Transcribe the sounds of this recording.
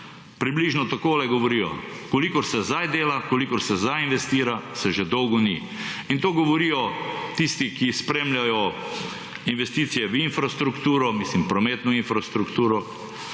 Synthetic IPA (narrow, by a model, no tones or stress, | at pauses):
pɾibliʒnɔt̪akoːlɛɡɔʋɔɾiːjɔ̰kɔlikɔɾsɛzajd̪eːlakɔlikɔɾsɛzajinʋɛst̪iːɾasɛʒed̪ɔwɡɔnḭ | int̪oːɡɔʋɔɾiːjɔt̪ist̪ikispɾeːmlʲjajɔ | inʋɛst̪iːt̪sijɛʋinfɾast̪ɾukt̪uːɾɔmislimpɾɔmeːt̪nɔinfɾast̪ɾukt̪uːɾɔ